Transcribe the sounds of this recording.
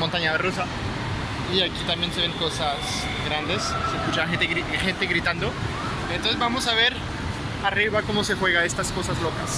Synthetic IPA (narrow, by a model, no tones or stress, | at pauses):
mont̪aɲaðerusa | iakit̪ambjenseβe̞ŋko̞sas | ɡɾand̪e̞sseskut͡ʃaxent̪eɣɾixent̪eɣɾit̪and̪o | ent̪onsezβbamo̞saβe̞ɾ | ariβako̞mo̞se̞xwe̞ɣaest̪asko̞sazlo̞kas